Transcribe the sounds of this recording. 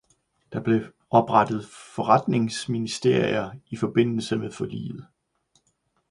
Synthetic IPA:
d̥ɑ̈b̥le̝ | ɒ̽b̥ʁɑd̥ð̞̩ˠfɒʁad̥ne̝ŋsminisd̥e̝ɐ̰ḭɐifɒ̽b̥e̝n̰l̩səmeðˠfɒlḭːð̩ˠ

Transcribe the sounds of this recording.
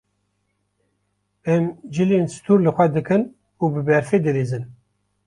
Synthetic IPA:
ɛmd͡ʒɨleːnsɨ̥t̪ʰuːɾlɨxʷɛd̪ɨkɨn | uːbɨbɛɾfed̪ɨɾeːzɨn

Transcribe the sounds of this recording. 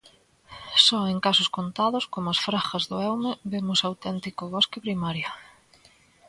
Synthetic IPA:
sɔeŋkasʊskont̪aðʊskomʊasfɾaxɐzðʊɛwmɪβemʊsawt̪ɛnt̪ikʊβɔskɪpɾimaɾja

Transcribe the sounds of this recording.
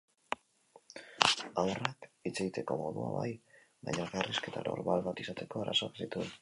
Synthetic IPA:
awrakit͡se̞ɣit̪e̞ko̞mo̞ðua̰βa̰j | majaɣariske̞t̪aɾo̞̰ɾβalβat̪isat̪e̞ko̞aɾʔa̰so̞aksit̪ue

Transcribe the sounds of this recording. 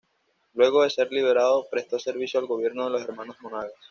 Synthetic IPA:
lwe̞ɣ̞o̞ðe̞se̞ɾliβ̞e̞ɾaðopɾest̪ose̞ɾβisjoalɡo̞β̞je̞ɾnoðe̞lo̞se̞ɾmano̞zmonaɣas

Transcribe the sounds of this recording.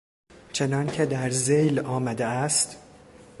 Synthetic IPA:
t͡ʃʰe̞nɒːncʰe̞d̪æɾzejlɒːmæd̪eæst̪

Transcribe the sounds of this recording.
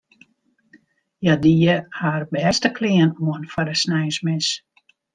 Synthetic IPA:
jadiəhaːrbɛstəkʰliənuənfɔɾəsnɛjsmɪs

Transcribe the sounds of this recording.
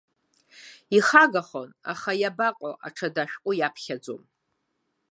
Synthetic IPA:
iχaɡaχona̰χajabaqʼoʔa̰ʈ͡ʂʰadaʃᶣkʷʼʊjapʰχʲad͡zo̰m

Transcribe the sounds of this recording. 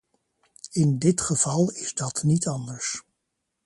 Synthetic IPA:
ɪndɪtχəv̥ɑlˠɪzdɑtnitɑndəɹs

